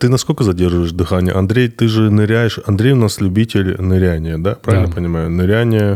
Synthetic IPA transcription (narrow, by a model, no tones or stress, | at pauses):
t̪ɨnɐskolʲkəzɐdʲerʐvəjɪʂd̪ɨxanʲɪjə̰ʔɐnd̪ɾʲejt̪ɨʐɨnɨɾʲæjɪʂɐnd̪ɾʲejʊnaslʲʊbʲitʲɪlʲnɨɾʲænʲɪjəd̪apɾavʲɪlʲnəpənʲɪmajʊnɨɾʲænʲɪjə